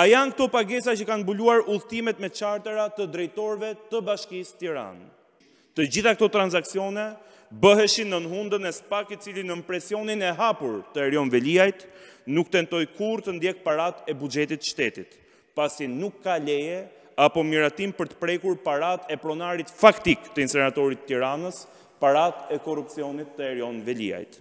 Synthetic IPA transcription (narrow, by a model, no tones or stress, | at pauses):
ajaŋkt̪ɔpaɡɛsacəkanbuluaɾuðt̪imɛt̪mɛt͡ʃaɾt̪əɾat̪əd̪ɾɛjt̪ɔɾvɛt̪əbaʃkist̪iɾa̰n | t̪əd͡ʑiθak̚t̪ɔt̪ɾanzaksiɔnɛ | bəɦɛʃinənɦund̪ənɛsə̥pakit͡silinəmpɾɛsiɔninɛɦapuɾt̪əɾjɔnvɛliajt̪nukt̪ɛnt̪ɔjkuɾt̪ənd̪jɛk̚paɾat̪ɛbud͡ʒɛt̪it̪ʃt̪ɛt̪it̪ | pasinukːalɛjɛ | apɔmiɾat̪impəɾt̪ə̥pɾɛkuɾpaɾat̪ɛpɾɔnaɾit̪fakt̪ikt̪əinsɛnat̪ɔɾit̪ːiɾanəs | paɾat̪ɛkɔrupt͡siɔnit̪ːəɛɾjɔnvɛlḭa̰jt̪